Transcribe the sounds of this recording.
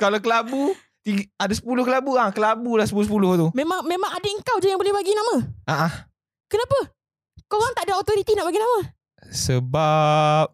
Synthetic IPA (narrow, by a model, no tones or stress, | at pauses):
kalawkəlabu | t̪iɡadasə̥pulʊhkəlabuakəlabulahsəpulʊsəpulʊht̪umemaŋmemãŋadaəŋkawd͡ʒajaŋbolɛhbaɡinamãaʔa | kənapə | koɣaŋt̪aʔdaot̪oɾit̪inaʔbaɡinamã | səbap̚